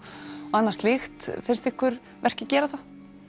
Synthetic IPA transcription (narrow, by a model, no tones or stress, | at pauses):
ɔanːaɾst̪lɪxt̪fɪɾ̥st̪ɪhkʰvʏɾ | vɛr̥cɪcɛːɾaθa